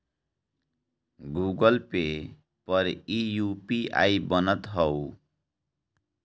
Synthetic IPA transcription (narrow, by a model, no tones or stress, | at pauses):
ɡuɡʌlpe | pʌɾijupia̰jbʌnʌt̪ɦʌw